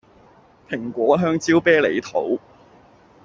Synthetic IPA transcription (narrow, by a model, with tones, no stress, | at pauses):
pʰɪ˨˩ŋkʷɔː˨˥ɦœː˥ŋt͡siː˥wpɛː˥le˨˧˥jt̪ʰo̰˨˥w